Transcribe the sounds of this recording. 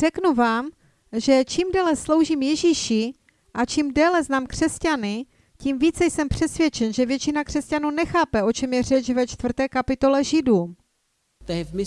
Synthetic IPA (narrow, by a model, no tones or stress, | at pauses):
rɛknuvaːm | ʒɛt͡ʃiːmdɛːlɛslo̞wʒiːmjɛʒiːʃɪ | ʔat͡ʃimdɛːlɛznaːmkr̝̥ɛscanɪ | cimviːt͡sɛjsɛmpr̝̥ɛsvʲjɛt͡ʃɛnʒɛvjɛt͡ʃɪnakr̥ɛscanuːnɛxaːpɛʔo̞t͡ʃɛmjɛr̝ɛt͡ʃvɛt͡ʃt̪vr̩t̪ɛːkapɪt̪o̞lɛʒɪduːm | ð̥eɛvmɪ